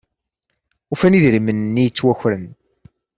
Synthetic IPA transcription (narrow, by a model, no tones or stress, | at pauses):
ufæniðɾimənnːijt͡sːwæçɾən